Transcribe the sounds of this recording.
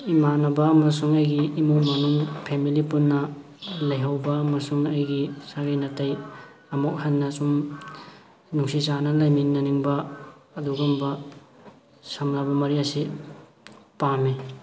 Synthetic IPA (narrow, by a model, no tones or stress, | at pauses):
imanɐbɐːmɐsuŋɐjɡiːmumɐnuŋpʰemilipunːɐ | lɐjɦawbɐːmɐsuŋɐjɡisaɡajnɐtɐj | ɐmok̚hanːɐsum | nuŋsisanɐlɐjminːɐniŋbɐːduɡumbɐ | samɾabɐmɐɾiɐsi | pamːi